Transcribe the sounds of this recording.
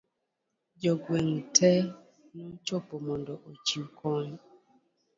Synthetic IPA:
d͡ʒɔɡweŋ̩tʰɛ | nut͡ʃopomɔndɔʔot͡ʃiukʰɔn

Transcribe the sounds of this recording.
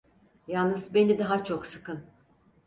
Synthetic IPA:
jalˠnɯzbe̞nid̪aɦat͡ʃʰo̞ksɯ̥kʰɯn

